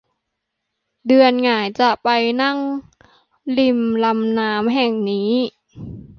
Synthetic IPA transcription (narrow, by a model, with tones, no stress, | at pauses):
dɯ˧ənŋaː˨˩˦jt͡ɕa˨˩ʔpa˧jna˥˩ŋ | li˧mla˧mnaː˦˥mɦɛ˨˩ŋniː˦˥